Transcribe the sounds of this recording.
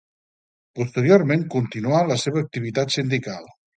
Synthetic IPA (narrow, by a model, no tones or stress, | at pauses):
pust̪əɾioɾmeŋkunt̪inualəseβəːk̚t̪iβit̪at̪sind̪ikalˠ